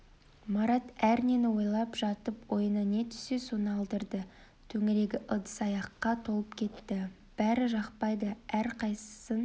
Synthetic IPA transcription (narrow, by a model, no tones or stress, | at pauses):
mɑɾɑt̪æɾne̞nɪwo̞jlˠɑpʒɑt̪əpwo̞jənɑne̞t̪ʰʏ̥se̞sunəɑlˠd̪əɾd̪ə | t̪ʰɵŋɪɾe̞ɡʲɪʔəd̪əsɑjɑqːɑt̪ʰo̞lˠəpkʲʰe̞t̪ːɪ | b̥æɾɪʒɑqpɑjd̪əæɾqʰɑjsə̥sən